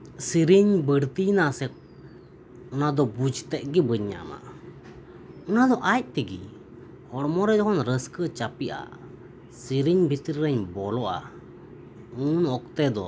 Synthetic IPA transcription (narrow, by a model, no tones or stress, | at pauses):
siɾiɲbəɽt̪inasɛ | ɔnad̪ɔbud͡ʒt̪ɛʔ̚ɡibəɲːa̰ma̰ | ɔnad̪ɔʔac̚t̪ɛɡḭ | hɔɽmɔɾɛd͡ʒɔɦɔnɾəskət͡ʃapiʔa̰ | siɾiɲbʱit̪ɾiɾəɲbɔlɔʔa̰ | unɔk̚t̪ɛd̪ɔ